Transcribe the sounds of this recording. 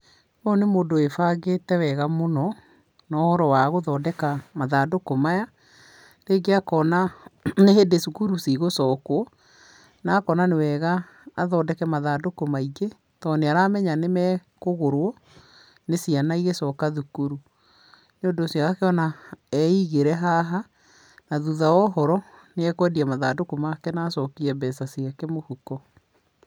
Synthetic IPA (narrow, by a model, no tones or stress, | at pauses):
ɔnemoːndoefaɣetɛwɛɣamonɔ | nɔːhɔɾɔwaɣoðɔːdɛkamaðadokomaja | ɾeːɡeakɔnaneɦedesukuɾusiɣosɔːkoɔ | nakɔnanewɛɣaː | ðɔdɛkɛmaðadokomaiɣe | tɔneaɾamɛɲanemɛ | koɣoɾwɔ | nesianaiɣesɔːkaðukuɾu | neondosjaɣakeɔnaɛiɣeɾɛɦaɦa | naðuðaɔɦɔɾɔneɛkowɛdiamaðadokomakɛnaːsɔkiɾɛbɛsasiakɛmohukɔ